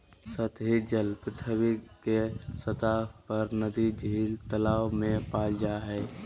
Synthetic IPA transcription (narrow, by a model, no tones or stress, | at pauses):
sət̪ɦid͡ʒəlpɾɪt̪ʰəwikesət̪aːpəɾnəd̪id͡ʒiːlt̪əlaːwmẽpaːld͡ʒaɦɛː